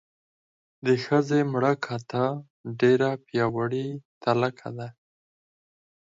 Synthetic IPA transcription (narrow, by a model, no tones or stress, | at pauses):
d̪əxəzemɽakʰat̪a | ɖeɾapjɑwaɽit̪alakʰa̰d̪a